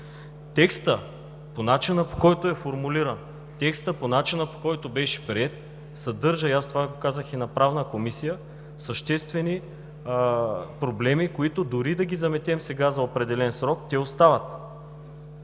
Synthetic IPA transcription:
t̪ɛkst̪ə | ponat͡ʃinəpo̥kɔjt̪oɛfoɾmuliɾən | t̪ɛkst̪əponat͡ʃinəpo̥kɔjt̪obɛʃɛ̥pɾiɛt̪̚ | sɐd̪ɤɾʒəiast̪ovaɡokazəxinɐpɾavnəkomisijə | səʃt̪ɛst̪vɛni | pɾoblɛmikoit̪oʊd̪ʊɾid̪ɐɡʲizɐmɛt̪ɛmsɛɡazɐopɾɛd̪ɛlɛnsɾɔk̚t̪ɛost̪avət̪

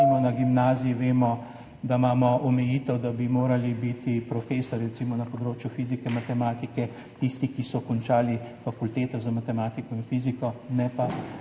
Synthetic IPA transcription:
mɔnaɡimnaːzijiʋeːmɔ | d̪amaːmɔʔɔmɛjiːt̪ɛwd̪abimoːɾalibit̪ipɾɔfeːsɔɾːɛt̪simɔnɐpɔd̪ɾoːt͡ʃjufiːzikɛmat̪ɛmaːt̪ikɛ | t̪ist̪ikisɔkɔnt͡ʃaːlifakult̪eːt̪ɔzamat̪ɛmaːt̪ikɔinfiːzikɔnɛpa

